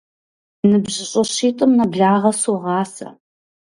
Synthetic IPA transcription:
nɨbʑɪɕʼɐɕiːtʼɨmnɐbɮaːʁɐsoʁɑːsɐ̰

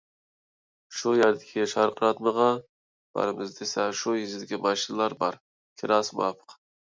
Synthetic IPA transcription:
ʃujaɾd̪ɪkʲʰɪʃɑɾqɾɑt̪məʁɑ | b̥ɑ̰ɾɪmɪzd̪esɛʃʊjɪzɪd̪ɪkʲimɑʃɪnlˠɑɾbɑɾ | kʲʰɪɾɑsmɑpʰə̥q

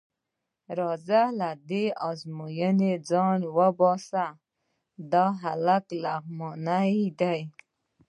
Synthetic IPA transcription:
ɾɔzalad̪iazmujəned͡zɔɳwabɔsa | d̪aɦalaklaɣmɔnaid̪aj

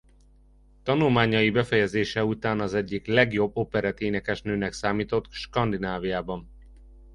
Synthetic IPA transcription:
t̪ɒnulmaːɲɒjibɛfɛjɛzeːʃɛut̪aːnɒzɛɟːiklɛɡjo̞bːopɛɾɛt̪eːnɛkɛʃnøːnɛksaːmiːt̪o̞t̪ʃkɒnd̪inaːvijaːbɒn

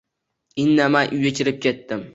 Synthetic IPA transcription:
ɪnːamanʔʊjat͡ʃʰʲɪɾɪp̚kʲʰe̞t̪ːɪm

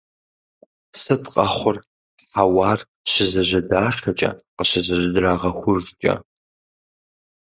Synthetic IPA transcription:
sɨtqʼɐχʷʊr | awaːr | ɕɪzɐʑɐdaːʂtʰɐt͡ʃʼɐ̰qəɕɪzɐʑɪdraːʁɐxʷʊʒt͡ʃʼɐ̰

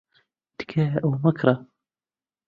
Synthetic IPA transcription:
d̪̥kʰaːʔwmakɾˤɑ

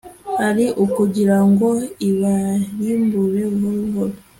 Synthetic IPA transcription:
haɾiʔukuɟiɾaŋɡoiβajimbuβeβɦoluɦolo

